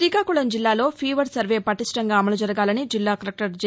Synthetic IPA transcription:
ɾiːkaːkuɭɐmd͡ʒilːaːlo̞ːpʰiːʋɐɖsɐɾʋe̞ːpɐʈisʈɐŋɡaːɐmɐlɐd͡ʒɐɾɐɡaːlɐnid͡ʒilːaːkɐɾɐk̚ʈɐɾd͡ʒ

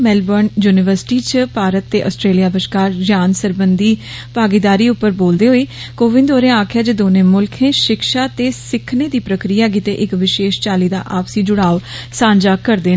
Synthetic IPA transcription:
mɛːlbənjuːnɪʋəɾsʈiːt͡ʃəpaːɾət̪ːeːʔə̰ːsʈɾeːlijaːbəʃkaːɾd͡ʒjaːnsəɾbənd̪iː | paːɡiːd̪aːɾiːʊpːəɾboːld̪eːɦoeː | koːʋɪ̃nd̪oːɾẽaːkʰɪjaːd͡ʒəd̪oːnẽːmʊlkʰẽːʃɪkʃaːt̪eːsɪkʰːneːd̪iːpɾəkɾijaːk̬it̪eːʔɪkʋɪʃeːʃt͡ʃaːliːd̪a̰ːʔaːpsiːd͡ʒʊɽaːʋsãːɲd͡ʒaːkəɾd̪eː

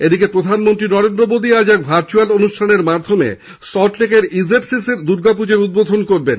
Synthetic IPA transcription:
ed̪ikepɾod̪ʱanmont̪ɾinɔɾend̪ɾomod̪ʱiad͡ʑɛkbʱaɾt͡ɕualonuʃʈʰaneɾmad̪ʱomḛ | sɔʈlekeɾizeʈsiseɾd̪uɾɡapud͡ʑeɾud̪̚bod̪ʱonkoɾben

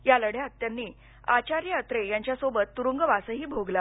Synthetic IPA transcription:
jaləɽjeət̪ːjanːiː | at͡ɕaɾjəət̪ɾejaɲt͡ɕjasobət̪ːuɾuŋɡəʋasəɦiːbʱoɡla

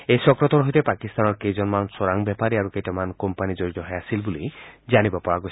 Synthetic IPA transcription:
ejsɔkɾɔt̪ɔɾɦojt̪epakist̪anɔɾkejd͡ʒɔnmansoɾaŋbjɛpaɾiaɾukejtɔmankɔmpanid͡ʒoɾid͡ʒɔɦɔjasilbulid͡ʒanibɔpɔɹaɡo

